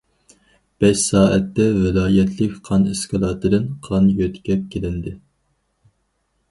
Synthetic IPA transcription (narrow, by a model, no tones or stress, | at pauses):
b̥ɛʃsɑːɛt̪ːɛvɪlɑːjɛt̪ʰlɪkʲqʰɑnɪskʰɑlˠɑt̪ʰɨd̪ɨnqʰɑnjøt̪kʲɛp̚kʲʰelɪnd̪ɪ